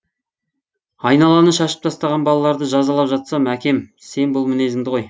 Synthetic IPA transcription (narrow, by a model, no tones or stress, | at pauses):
ɑjnɑlˠɑnəʃɑʃə̥p̚t̪ʰɑst̪ɑʁɑnbɑlˠɑlˠɑɾd̪əʒɑzɑlˠɑpʒɑt̪sɑmækʲe̞mse̞nbʊlˠmɪne̞zɪŋd̪ɪʁo̞j